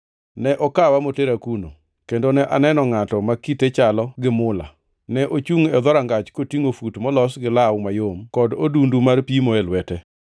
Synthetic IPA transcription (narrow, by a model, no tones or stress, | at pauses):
nɛʔɔkawamoteɾakuno̰ | kendonɛʔanɛnɔŋatɔmakitet͡ʃalɔɡɪmʊla̰ | nɛʔot͡ʃuŋɛd̪ɔɾaŋɡat͡ʃkotiŋofutmɔlɔsɡɪlawmajomkɔdodundumarpimoelwɛtɛ